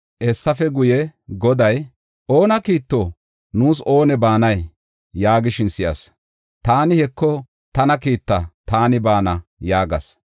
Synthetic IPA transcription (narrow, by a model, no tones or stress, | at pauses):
ʔɛsːɐfɛɡʊjɛɡɔd̪ɐj | ʔo̞ːnɐkiːt̪ːoː | nuːso̞ːnɛbaːnɐj | jaːɡɪʃɪnsɪjɐ̰s | t̪aːnɪhɛkːɔ | t̪ɐnɐkiːt̪ːɐt̪aːnɪbaːnɐjaːɡɐs